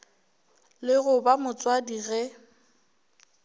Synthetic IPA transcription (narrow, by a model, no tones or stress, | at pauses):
lɪɣʊbamʊt͡sʼwadiɣɛ